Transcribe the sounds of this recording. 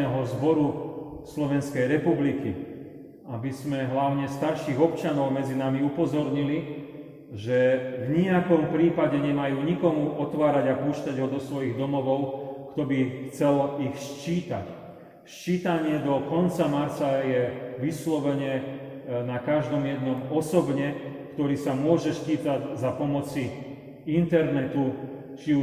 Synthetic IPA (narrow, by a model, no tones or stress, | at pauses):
ɛɦɔzbɔɾuslɔʋɛnskɛjɾɛpubliki | abizmɛɦlaʊɲɛst̪aɾʃiːɣɔp̚t͡ʃanɔʊmɛd͡zinamiupɔzɔɾɲili | ʒɛvɲiakɔmpɾiːpaɟɛɲɛmajuːɲikɔmuʔɔt̪ʋaːɾaɟapuːʃcaɟɦɔd̪ɔsʋɔjiɣd̪ɔmɔʋɔʊkt̪ɔbixt͡sɛlixʃt͡ʃiːt̪a̰c | ʃt͡ʃiːt̪aɲɪɛd̪ɔkɔnt͡samaɾt͡sajɛʋislɔʋɛɲɛ | nakaʒd̪ɔmjɛd̪nɔmɔsɔbɲɛkt̪ɔɾiːsamʊɔʒɛʃt͡ʃiːt̪aɟzapɔmɔt͡si | int̪ɛɾnɛt̪u | t͡ʃiu